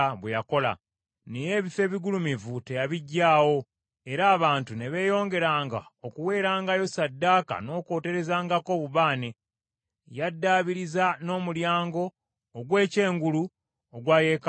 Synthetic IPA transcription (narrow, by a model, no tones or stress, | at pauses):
βwejako̞la̰ | nije̞ːβife̞ːβiɡulumivute̞jaβiɟːaːwo̞ | e̞ɾaːβaːntune̞βe̞ːjo̞ːŋɡe̞ɾaːŋɡaokuwe̞ːɾaːŋɡajo̞sadːaːka̰no̞ːko̞ːte̞ɾe̞zaːŋɡako̞ːβuβaːne̞ | jadːaːβiɾizano̞ːmuljaːŋɡo̞ː | ɡwe̞ːce̞ːŋɡulu | oɡwaːje̞ːk